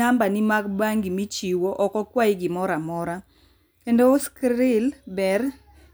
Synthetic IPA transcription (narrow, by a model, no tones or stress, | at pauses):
ambanɪmaɡbaŋɡimit͡ʃiwoʔɔkɔkwaɪɡɪmɔɾamɔɾa | kendoskɾɪlbɛr